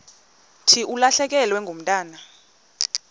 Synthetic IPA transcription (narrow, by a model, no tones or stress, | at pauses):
tʰiʔulaɬɛk̬ɛlwɛŋʱom̩tʼaːna